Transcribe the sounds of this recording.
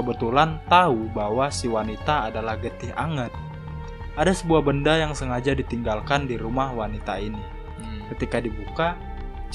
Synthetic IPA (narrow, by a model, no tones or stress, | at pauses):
əbət̪ulant̪aubawasiwanit̪aːdalahɡət̪ɪha̰ŋət̪̚ | ʔadasəbuahbəndajaŋsəŋad͡ʒadit̪iŋɡalkandiɾumahwanit̪aini | kət̪ikadibuka